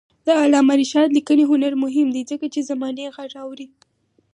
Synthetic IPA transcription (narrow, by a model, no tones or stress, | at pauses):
d̪̥əalɑmaɾiʃɑd̪likəniɦʊnaɾmʊɦɪmd̪ezəkat͡ʃezamɑneɣaɾɑwɾi